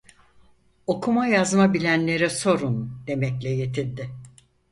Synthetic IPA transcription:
o̞kʰumajazmabilʲænlʲe̞ɾɛso̞ɾund̪̥e̞mɛclʲɛje̞t̪ʰilʲd̪ɪ

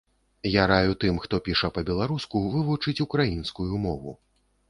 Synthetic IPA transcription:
jaɾajut̪ɨmxt̪ɔpʲiʂɐpɐbʲɛlˠaɾuskuvɨvut͡ʂɨt͡sʲukɾajinskujumɔvṵ

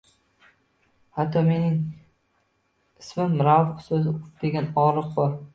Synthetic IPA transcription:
hat̪ʰːɒmenɪŋ | ɪsmɪmmɾawqsɵzɪd̪̥eɡʲanɒɾɨq̚bɒɾ

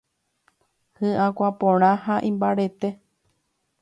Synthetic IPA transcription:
hɨ̃ʔãkʷapõɾ̃ãhaʔĩmbaɾe̞t̪e̞

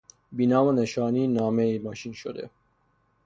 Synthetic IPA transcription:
binɑːmɐneʃɑːniːnɑːmeimɑːʃinʃod̪ḛ

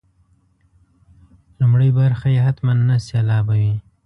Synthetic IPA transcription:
lumɽəjbaɾxajeɦat̪manːaselɑbawi

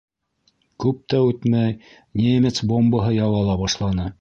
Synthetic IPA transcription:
kʉp̚t̪æʉt̪mæj | nʲemʲet̪sbombɤɦɤjɑwɑlˠɑbɑʃlˠɑnɤ

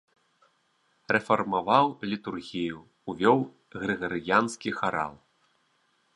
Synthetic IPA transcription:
rɛfɐrmavawlʲit̪urɣʲijuː | vʲɔw | ɣɾɨɣɐɾɨjanskʲixaɾa̰lˠ

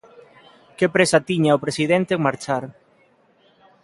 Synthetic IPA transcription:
kepɾesat̪iɲaopɾesiðɛnt̪eːŋmaɾt͡ʃaɾ

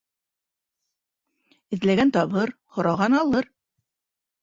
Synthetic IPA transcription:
ɘ̆ðlæɡænt̪ɑβɤɾhŏɾɑʁɑnɑlˠɤɾ

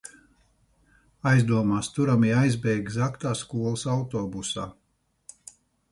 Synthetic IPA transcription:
ajzd̪uɔmaːst̪uɾamiajzbɛjɡzakt̪aːskuɔlˠsawt̪ɔːbusaː

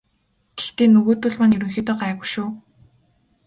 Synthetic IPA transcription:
ɡ̥̪e̥xt̪eːnɵɣoːt̪ʊ̆ɮmanjɵɾɵ̆ŋxʲiːt̪ɔːɢæːɣʊ̆ʃuː

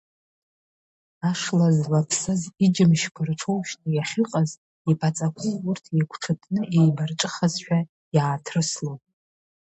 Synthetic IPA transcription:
aʂlazlapʰsɨzid͡ʒɪmʃkʷʰarʈ͡ʂʰowʃnɨjaχʲɨqʼaz | ipʰat͡sʼakʷʰʊzurtʰjakʷʰʈ͡ʂʰatʰʼnɨʔejbarʈ͡ʂʼɨχazʃᶣa | jaːtʰrɨslowtʼ

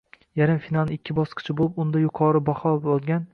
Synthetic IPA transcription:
jaɾɪmfinalˠnɪɪkʲʰːɪbɒsqʰɨ̥t͡ʃʰabolˠɪpʊnd̪ajʊqʰɒɾɪbɒχɒbɒlˠɡʲan

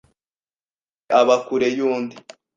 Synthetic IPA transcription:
aβakuɾejuːndi

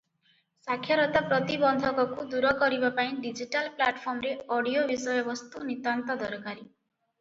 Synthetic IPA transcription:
sakʰjɔɾɔt̪apɾɔt̪ibɔnd̪ʱɔkɔkud̪uɾɔkɔɾibapaĩɖid͡ʒiʈalplaʈpʰɔɾmɾeɔɽijobisɔjɔbɔst̪unit̪ant̪ɔd̪ɔɾɔkaɾi

